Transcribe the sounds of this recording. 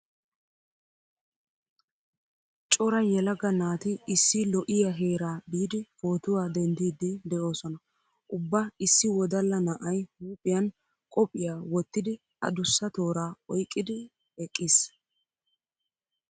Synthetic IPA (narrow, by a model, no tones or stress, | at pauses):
t͡ʃʼɔɾɐjɛlɐɡɐnaːt̪ɪɪsːɪlɔʔɪjaɦe̞ːɾaːbiːd̪ɪfo̞ːt̪ʊwaːd̪ɛnd̪iːd̪ɪd̪ɛʔo̞ːsɔnɐ | ʔʊbːaɪsːɪwɔd̪ɐlːɐnɐʔɐjhuːpʼɪjɐn | kʼɔpʼːɪjaːwɔt̪ːɪd̪ɪ | ɐ̰d̪ʊsːɐt̪o̞ːɾaːɔjkʼːɪd̪ɪ | ɛkʼːis